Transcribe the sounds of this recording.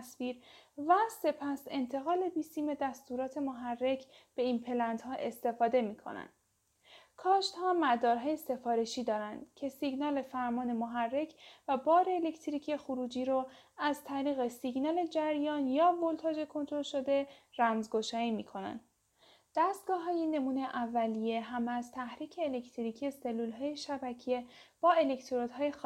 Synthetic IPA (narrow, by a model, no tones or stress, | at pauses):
sviːɾvæse̞pʰæse̞nt̪ʰe̞ɣɒːle̞biːsiːme̞d̪æst̪uɾɒːt̪ʰe̞moɦærːe̞cʰb̥e̞inpʰe̞lænd̪ɦɒːʔe̞st̪e̞fɒːd̪e̞miːkʰo̰næ̰nd̪ | kʰɒːʃt̪hɒːmæd̪ɒːɾɦɒːje̞se̞fɒːɾe̞ʃiːd̪ɒːɾænd̪cʰe̞siɡnɒːle̞fæɾmɒːne̞moɦærːe̞cʰvæbɒːɾeːlecʰt̪ʰɾicʰexuɾuːd͡ʒiːɾoæzt̪ʰæɾiːɣe̞siɡnɒːle̞d͡ʒæɾjɒːnjɒːvolt̪ʰɒːd͡ʒe̞kʰo̞nt̪ʰɾolʃod̪e̞ɾæmzɡoʃɒːiːmiːkʰo̞næ̰nd̪ | d̪̥æst̪̚ɡ̥ɒːɦɒːjene̞muːne̞jʔævːælije̞ɦæmezt̪ʰæhɾiːcʰe̞ːlekʰt̪ʰɾicʰijese̞lːulɦɒːjeʃæbæcʰije̞b̥ɒːe̞le̞kt̪ʰoɾod̪ɦɒːjex